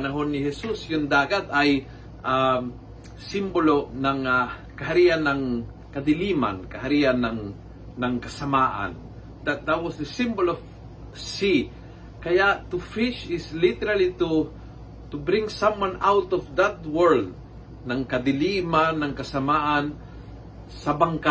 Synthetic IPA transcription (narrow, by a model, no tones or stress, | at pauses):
pɐnɐɦonːɪhɛsusjʊŋd̪aːɡat̪aj | ʔa | simbolonɐŋa | kɐɦaɾiʔanːɐŋ | kɐd̪ɪliːma̰nkɐhaɾiʔanːɐŋː | ɐŋkɐsɐmaːʔa̰n | d̪at̪̚d̪at̪̚wɔsd̪əsɪ̃mbolɔv | si | kɐjaʔt̪ʊfɪʃɪslɪt̪ɛɾalit̪u | t̪ʊbɾɪ̃ŋsãmwãnawt̪ɔvd̪at̪̚wɛɹld̪̚ | nɐŋkɐd̪ɪlimanɐŋkɐsɐmaʔan | sɐbaŋka